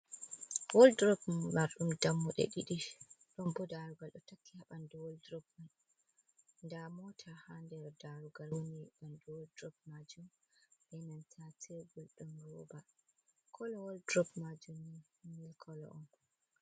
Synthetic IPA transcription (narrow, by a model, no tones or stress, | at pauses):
wɔldɾɔbmaɾɗumdamːɔɗɛ̰ɗiɗiɗɔmbɔdaɾuɡalɗɔtakːihaɓandɔwɔldɾɔb̚man | ndamɔtʰahandɛɾdaɾuɡalwoniɓandɔwldɾɔb̚mad͡ʒum | ɓɛnantʰatʰeɡulɗɔnɾɔbakʰɔlɔwɔldɾɔbmad͡ʒumni | milkʰɔlɔ̰ʔɔn